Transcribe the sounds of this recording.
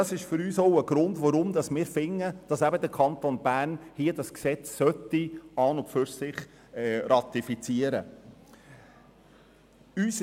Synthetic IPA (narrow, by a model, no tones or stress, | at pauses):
ɑsɪʃfʏɾyːsɔʊəɡ̥ɾʊndʋɔɾʊmd̪ɑsmɪːɾfɪŋːəd̥ɑsæbəd̪əɾkʰɑnt̪onbæːɾnhiədɑsksɛt͡sːœtiɑːnʊpfʏɾsɪχ | ɛɾɑt̪ifit͡siəɾə | yːs